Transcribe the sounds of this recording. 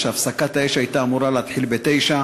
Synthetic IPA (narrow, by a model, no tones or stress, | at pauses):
ʃafsakat̪aeʃajt̪aːmuɾalaːt̪ħilbet̪ejʃa